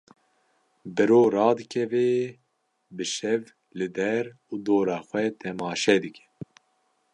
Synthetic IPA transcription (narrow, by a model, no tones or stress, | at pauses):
bɨɾoːɾɑːd̪ɨkʰɛveː | bɨʃɛv | lɨd̪ɛɾ | uːd̪oːɾɑːxʷɛt̪ʰɛmɑːʃɛd̪ɨkʰɛ̥